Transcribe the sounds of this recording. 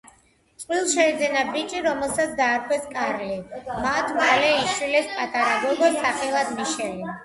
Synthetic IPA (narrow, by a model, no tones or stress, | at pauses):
t̪sʼwilˠʃɛːd̪zɛnabit͡ʃʼiɾɔmɛlˠsat̪sʰd̪aːɾkʰʼwɛskʼaɾlimat̪ʰmalɛiʃwilɛspʼat̪ʼaɾaɡɔɡɛsaχɛlˠad̪miʃɛli